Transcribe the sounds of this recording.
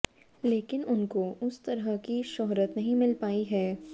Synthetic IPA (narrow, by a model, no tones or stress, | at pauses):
leːkɪnʊnkoʊst̪ɐɾəɦkiʃɔɦɾət̪nɐɦĩmɪlpaːiɦɛː